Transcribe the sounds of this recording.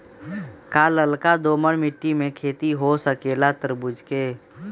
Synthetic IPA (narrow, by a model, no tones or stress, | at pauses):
kaːləlkad̪oːməɾmɪʈːimẽkʰeːt̪iɦosəkeːlat̪əɾbʊd͡ʒʱkeː